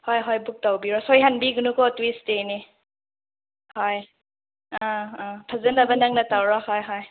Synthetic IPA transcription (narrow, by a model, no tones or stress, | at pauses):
hɔjɦɔjbuk̚tawbiɾɔsɔjɦanbiɡunukɔtwisteni | hɔj | ãpʰazənabɐnaŋnatawɾɔhɔjɦɔj